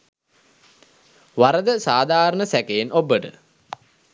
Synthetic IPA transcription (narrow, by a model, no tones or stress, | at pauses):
ʋaɾəd̪əsaːd̪ʱaːɾəɳəsækeːnʔobəʈə̰